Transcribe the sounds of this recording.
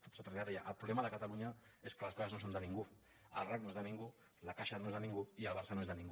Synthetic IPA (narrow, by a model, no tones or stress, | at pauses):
sət̪ɾzʎaɾejaʔəlpɾuβlɛmaðəkət̪aluɲaeskələskɔsɐznos̬ond̪ənĩŋɡu | ə̰lˠrak̚noezðanĩŋɡu | lakaʃanoezðanĩŋɡuiəlˠβaɾsanoezðnĩŋɡ